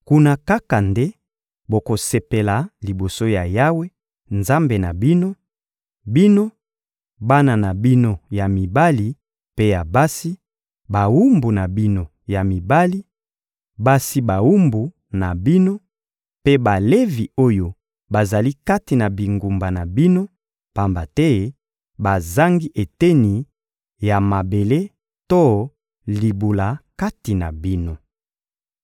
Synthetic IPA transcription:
ku˦na˦ka˦ka˨nde˦ | bo˨ko˨se˨pe˨la˨li˨bo˨so˦ja˨ja˦we˦ | nza˦mbe˨na˨bi˦no˦ | bi˦no˦ | ba˦na˨na˨bi˦no˦ja˨mi˨ba˦li˨ | pe˦ja˨ba˦si˦ | ba˨wu˦mbu˨na˨bi˦no˦ | ja˨mi˨ba˦li˦ | ba˦si˦ba˨wu˦mbu˨ | na˨bi˦no˦ | pe˦ba˨le˦vi˨o˦jo˦ | ba˨za˨li˦ka˦ti˨na˨bi˨ŋɡu˨mba˨na˨bi˦no˦ | pa˨mba˨tɛ˦ | ba˨za˦ŋɡi˦ʔe˨te˦ni˨ | ja˨ma˨be˨le˦ | to˦ | li˨bu˨la˨ka˦ti˨na̰˨bi˦no˦

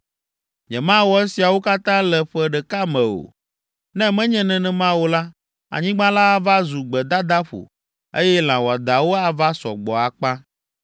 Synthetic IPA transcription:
ɲɛ̃˨mã˦wɔ˨ɛ˦si˨a˨wo˦ka˦t̪ã˦lɛ˨ɸɛ˦ɖɛ˨ka˦mɛ̃˨o̰˨ | nɛ̃˦mɛ̃˦ɲɛ̃˨nɛ̃˨nɛ̃˨mã˦wo˨˦la˦ | a̰˨ɲĩ˦ɡ͡bã˦la˦a˨va˦zu˨ɡ͡bɛ˨d̪a˦d̪a˦ɸo̰˨ | e˦jɛ˦l̃ã˨wɔ˨a˨d̪a˨wo˦a˨va˦sɔ̰˨ɡ͡bɔ˨a˨k͡pã˦

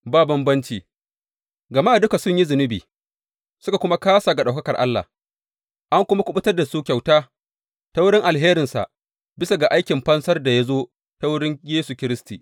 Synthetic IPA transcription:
baː˦bɐ˦mbɐ˦nt͡ʃiː˨ | ɡɐ˨ma˦ʔdʊ˦ka˨sʊ˦ɲji˦zʊ˨nɪ˦biː˨ | sʊ˦ka˨kʷʊ˦ma˦kaː˦sa˨ɡa˨ɗa˨wkɐ˦kɐ˨ʔa˦lːa̰˨h | ʔa˦ŋkʷʊ˦ma˦kʷʊ˦ɓʊ˦tɐ˦rda˨suː˦kʲa˨wtaː˦ | ta˦wʊ˦ɽɪ˦ŋʔa˨lɦeː˦ɾɪ˨nsa̰˨ʔ | bɪ˦sa˨ɡa˨ʔa˦jkʲɪ˨mɸɐ˦nsɐ˦rda˨ja˦zoː˦ | ta˦wʊ˦ɽɪ˦ɲjeː˦su˨kʲɪ˦ɾɪ˦sti˨

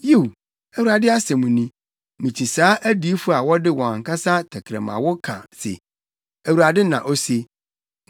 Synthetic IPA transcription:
ji˦˨w | æ˨wu˨ɾa˨dɪ˦a˦sɛ˨mũ˨nĩ˦ | mĩ˨t͡ɕʰi˨saː˦ʔæ˦di˨˦fʊ˦a˨wɔ˦dɪ˦wɔ̃˨ã˨ŋkʰa˦sa˦tʰæ˨kʰɾɛ̰˨mã̰˨wʊ˦kʰã̰˨sḛ˨ | æ˨wu˨ɾa˨dɪ˦nã̰˨ʔo˦se˦

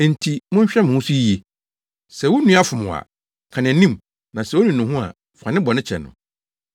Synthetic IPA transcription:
n̩˨tʰi˨mʊ̃˦ɲ̩˦ɕᶣɛ˦m̃˨hʊ̃˦su˦e˨ | sɛ˨wʊ˦nũ˦a˦fʊ˨mʊ̃˨a̰˨ | kʰã˨nɛ̃˨nĩ˦m | nã˨sɛ˨wo˦nĩ˨nʊ̃˨ɦʊ̃˦a̰˨ | fã˨nɪ̃˦bɔ˨nɪ̃˦t͡ɕʰɛ̰˨nʊ̰̃˨

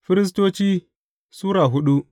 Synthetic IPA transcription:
fi˦ɾi˦s̬to˦t͡ʃi˦ | su˦ɾa˨ɦu˦ɗu˦

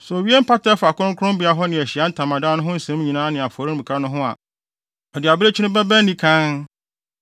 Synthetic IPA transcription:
sɔ˨wi˦e˦m̩˦pʰa˦tʰɛ˦fa˨kʰʊ̃˦ʊ̃˦kʰʊ˦ʊ̃˦m˦bɪ˨˦a˦ɦɔ˦nɪ̃˨æ˨ɕi˨a˦n̩˦tʰã˨mã˨daː˦nʊ̃˦ɦʊ̃˦n̩˨sɛ̃˦m˦ɲĩ˨nãː˦nɪ̃˨a˨fʊ˨ɔ˨ɾi˦m˨m̩˨kʰa˦nʊ̃˦ɦʊ̃˦a̰˨ | ɔ˨dɪ˨a˨bɾe˦t͡ɕʰᶣi˦nʊ̃˦bæ˦bæ˦nĩ˦kʰã˦n

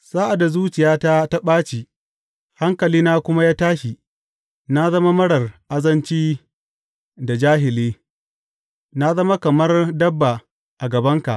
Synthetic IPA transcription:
saː˦ʔa˨da˨zuː˦t͡ʃɪ˨jaː˦ta˦ta˦ɓaː˦t͡ʃi˨ | ha˦ŋkɐ˨liː˦naː˦kʷʊ˦ma˦jaː˦taː˦ʃi˨ | na˦zɐ˦ma˦mɐ˦ɽɐ˨rʔa˦zɐ˦nt͡ʃiː˦ | da˨d͡ʒaː˦ɦɪ˨leː˦ | na˦zɐ˦ma˦kɐ˨mɐ˦rdɐ˦bːa˨ | ʔa˨ɡɐ˨bɐ˦ŋka̰˨ʔ

